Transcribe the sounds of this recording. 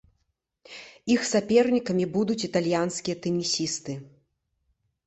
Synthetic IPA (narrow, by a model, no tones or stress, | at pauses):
ixsapʲɛrnʲikɐmʲibud̪ut͡sʲit̪alʲjanskʲijɐt̪ɛnʲisʲist̪ɨ